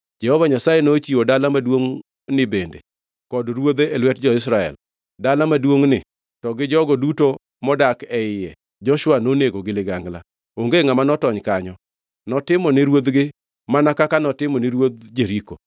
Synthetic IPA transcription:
d͡ʒɛhɔvaɲasajenot͡ʃiwodalamadwoŋ | nɪbendḛ | kɔdɾwod̪eelwɛt̚d͡ʒɔɪs̬ɾaɛ̰l | dalamadwoŋnɪ | tɔɡɪd͡ʒɔɡɔduto | mɔdakɛɪjɛ | d͡ʒɔʃwanoneɡoɡɪlɪɡaŋɡla̰ | oŋɡeŋamanɔtɔɲkaɲɔ | nɔtɪmɔnɪɾwod̪ɡɪ | manakakanɔtɪmɔnɪɾwod̪̚d͡ʒeɾiko

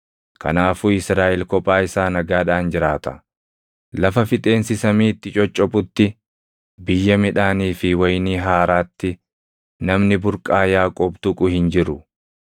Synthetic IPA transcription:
kʰɐ̰naːfuːɪsɾaːʔɛlkɔpʼːaːɪsaːnɐɡaːᶑaːnd͡ʒɪɾaːt̪ɐ̥̰ | lɐfɐfɪt̪ʼe̞ːnsɪsɐmiːɪt̪ːɪt͡ʃʼɔt͡ʃʼːɔpʼʊt̪ːɪ | bɪjːɐmɪᶑaːniːfɪwɐjniːɦaːɾaːt̪ːɪ | nɐmnɪbʊɾkʼaːjaːkʼɔːbt̪ʊkʼʊhɪnd͡ʒɪɾʊ

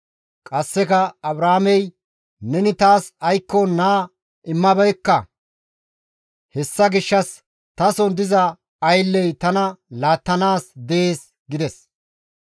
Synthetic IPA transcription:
kʼɐsːɛkɐɐbɾaːmɛj | nɛnɪt̪aːsɐjkːɔnaː | ʔɪmːɐbɐjkːɐ | hɛsːɐɡɪʃːɐs | t̪ɐsɔnd̪ɪzɐ | ɐjlːɛjt̪ɐnɐlaːt̪ːɐnaːsd̪ɛeːs | ɡɪd̪ɛs

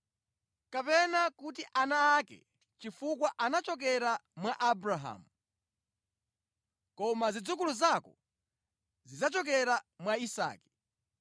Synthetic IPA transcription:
kapɛnakutiʔanaːkɛ̰ | t͡ʃifukwaʔanat͡ʃɔk̬ɛɾamwaʔabɾaɦa̰mu | kɔmazid͡zukuluzakɔ | zizat͡ʃɔk̬ɛɾamwaisa̰ːkɛ̥

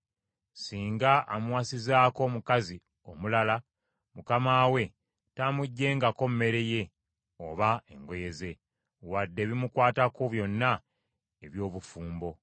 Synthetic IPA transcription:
siːŋɡaʔːmwasizaːko̞mukazi | o̞mulala | mukamaːwe̞ | tamuɟːe̞ːŋɡako̞mme̞ɾe̞je̞ | o̰βae̞̰ŋɡo̞je̞ze̞ | wadːe̞ːβimukwaːtakoβjo̞nːa | eβjo̞ːβufuːmbo̞

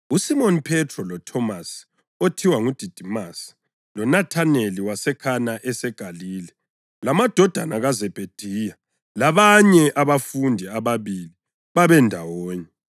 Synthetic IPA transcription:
usimonipʰɛtʰrɔlɔtʰɔmas | otʰiwaŋud̥ʱid̥ʱimas | lɔnatʰaneliwasɛkʰanaʔɛsɛɡ̥ʱaliːlɛ | lamad̥ʱɔd̥ʱa̰naɣazɛb̥ʱed̥ʱiːja | laβaɲɛʔaβafundʱiaβaβili | βaβɛndʱawoːɲɛ

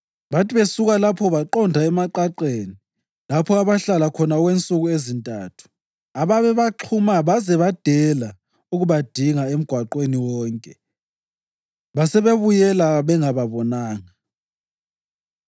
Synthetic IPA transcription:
βatʰʼiβesuɣalapʰɔβaǃɔndʱaɛmaǃaǃeːni | lapʰɔaβaɬalakʰɔnaɣwent͡sʼuɣuezintʼa̰ːtʰu̥ | aβaβɛβaǃʰumaβazɛβad̥ʱɛla | uɣuβad̥ʱiŋaem̩ɡ̥ʱwaǃweniwɔːŋkʼɛ | βasɛβeβujɛlaβɛŋaβaβɔnaːŋa

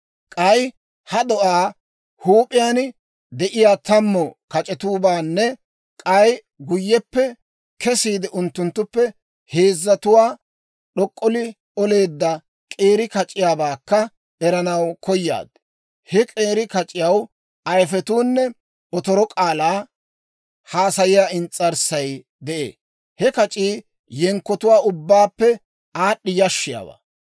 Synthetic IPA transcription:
kʼɐj | hɐd̪ɔʔaː | huːpʼɪjaːn | d̪ɛʔɪjaːt̪ɐmːɔkɐt͡ʃʼɛt̪uːbaːnːɛ | kʼɐj | ɡʊjːɛpːɛ | kɛsiːd̪ɪʔʊnt̪ːʊnt̪ːʊpːɛ | he̞ːzːɐt̪ʊwaː | ɗɔkʼːɔlɪ | ɔle̞ːd̪ːɐ | kʼe̞ːɾɪkɐt͡ʃʼːɪjaːbaːkːɐ | ɛɾɐnɐwkʰɔjːa̰ːd̪ | hɛkʼeːɾɪkɐt͡ʃʼːɪjɐw | ɐjfɛt̪uːnːɛ | ɔt̪ɔɾɔkʼaːlaː | haːsɐjɪjaːɪnt͡sʼːɐɾsɐj | d̪ɛʔḛː | hɛkɐt͡ʃʼiː | jɛŋkːɔt̪ʊwaːʊbːaːpːɛ | aːɗːɪjɐʃːɪja̰ːba̰ː

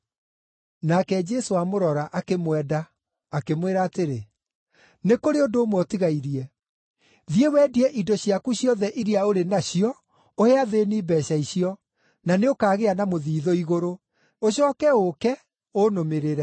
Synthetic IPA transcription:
nakɛd͡ʒɛsoamoɾɔɾaʔakemwɛdaː | kemweɾaːteɾe | nekoɾeondoːmwɔtiɣaiɾiɛ | ðiewɛːdiɛʔidɔɕiakuɕjɔðɛʔiɾiaoɾenaɕiɔ | oheaðeniːbɛːɕaiɕiɔ | naneokaːɣeanamoðiːðoiɣoɾo | oɕɔːkɛokɛ | onomeɾeɾɛ

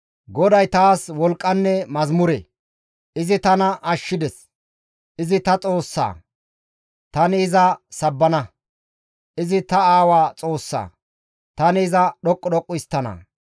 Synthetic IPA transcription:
ɡɔd̪ɐjt̪aːswɔlkʼːɐnːɛmɐzmʊɾḛ | ʔɪzɪt̪ɐnɐʔɐʃːɪd̪ɛs | ʔɪzɪt̪ɐt͡sʼo̞ːsːa̰ː | t̪ɐnɪːzɐsɐbːɐnɐ | ʔɪzɪt̪ɐaːwaːt͡sʼo̞ːsːa̰ː | t̪ɐnɪːzɐɗɔkʼːɔɗɔkʼːʊjst̪ːɐnɐ̰

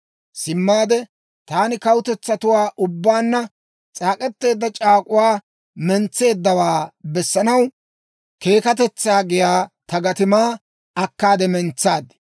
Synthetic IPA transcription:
sɪmːaːd̪ɛ | t̪aːnɪkɐwʊt̪ɛt͡sːɐt̪ʊwaːʔʊbːaːnːɐ | t͡sʼaːkʼɛt̪ːe̞ːd̪ːɐt͡ʃʼaːkʼʊwaː | mɛnt͡sːe̞ːd̪ːɐwaːbɛsːɐnɐw | ke̞ːkɐt̪̬ɛt͡sːaːɡɪjaːt̪ɐɡɐt̪ɪmaː | ɐkːaːd̪ɛmɛnt͡sːaːd̪ɛ

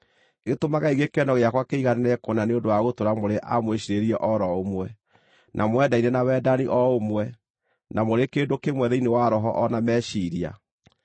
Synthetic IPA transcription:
etomaɣaiɣekɛnɔɣeakwakeiɣanenɛkonaneondoaɣotoɾamoɾeʔa̰mweɕiɾeɾiɛʔɔɾɔomwɛ | nʔamwɛdainenawɛːdaniʔɔomwɛ | namoɾekeːndokemwɛðɛinewaɾɔɦɔʔɔnamɛːɕiɾia̰

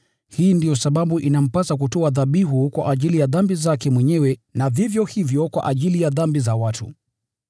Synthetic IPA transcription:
hiːndijɔsaɓaɓuʔinam̩pasak̬utɔaðaɓiɦukwa̰ʔaʄilijaðambizakɛmwɛɲɛwɛnavivjɔhivjɔkwa̰ʔaʄilijaðambizawatʰṵ

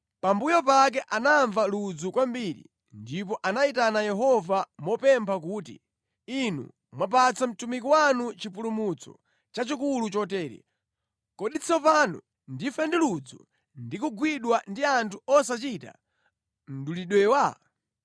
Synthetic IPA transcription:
pambujɔpak̬ɛʔanaɱvalud͡zukwambiɾḭ | ndip̬ɔʔanaitanajɛɦɔvamɔpɛmpʰak̬uːtḭ | inṵ | mwap̬at͡sam̩tumikiwanut͡ʃipulumut͡sɔ̰ | t͡ʃat͡ʃikulut͡ʃɔtɛːɾḭ | kɔɗit͡sʰɔpanṵ | ndifɛndilud͡zṵ | ndikuɡwiɗwandiantʰuɔsat͡ʃita̰ | m̩duliɗwɛːwa

